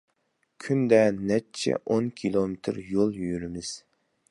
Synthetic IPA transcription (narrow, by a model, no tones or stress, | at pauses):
kʲʰynd̪ɛnɛt͡ʃʰɛ̰ʔonkʲʰilˠomɪt̪ʰɾjolˠjyjyɾɪmɪz̥